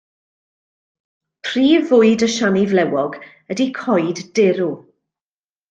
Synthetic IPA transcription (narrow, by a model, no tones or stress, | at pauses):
pʰr̥iːvʊɨdəʃanivlɛwɔɡ | ədikʰɔjddɪɾu